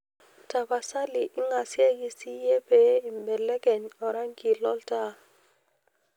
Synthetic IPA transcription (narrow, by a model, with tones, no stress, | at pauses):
ta˨fa˨sa˦li˨ʔi˦ŋa˨se˦ɡi˨si˦je˦pɛ˨ji˨mbɛ˨lːe˦kɛ˨no˨ɾa˦ŋki˨lɔ˦lta˦